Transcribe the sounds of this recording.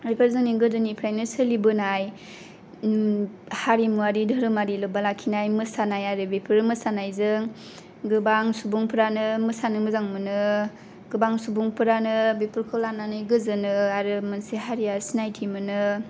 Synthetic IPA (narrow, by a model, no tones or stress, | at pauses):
ɾipʰeɾzɯŋniɡɯzɯnipʰɾajnɯsɯlibɯnaj | haɾimuaɾidʱɯɾɯmaɾilɯbalakʰinajmɯsanajaɾɯbepʰɯɾmɯsanajzɯŋ | ɡɯbaŋsubuŋpʰɯɾanɯmɯsanɯmɯzaŋmɯnɯ | ɡ̥ɯbaŋsubuŋpʰɯɾanɯbepʰɯɾkʰɯlananɯjɡɯzɯnɯaɾɯmɯnseɦaɾijasinajtʰimɯnɯ